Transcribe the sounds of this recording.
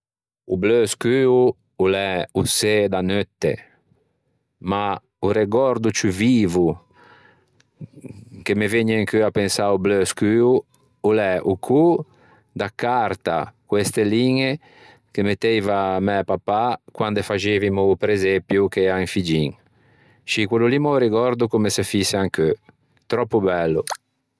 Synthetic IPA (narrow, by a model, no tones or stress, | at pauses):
ubløskyːu | ulɛused̪anøt̪ːḛ | ma | uɾeɡɔɾd̪ut͡ʃyviːvu | kemeveɲeŋkøapensaubløskyːu | ulɛʔukʰu | d̪akaɾt̪a̰kwest̪eliŋe | kemet̪ɛjvamɛpapakwand̪efaʒevimupɾezepjukeɛaiŋfid͡ʒiŋ | ʃikwelulimauɾeɡɔɾd̪ukumesefiseaŋkø | t̪ɾɔpːubɛlːṵ